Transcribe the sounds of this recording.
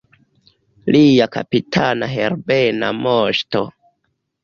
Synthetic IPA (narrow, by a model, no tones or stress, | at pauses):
liaka̰pitʰanaɦeɾbena̰moʃto